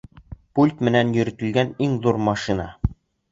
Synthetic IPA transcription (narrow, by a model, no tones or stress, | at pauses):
pulʲt̪mɘ̆nænjɵ̆ɾɘ̆t̪ɘ̆lɡæniŋðuɾmɑʃinɑ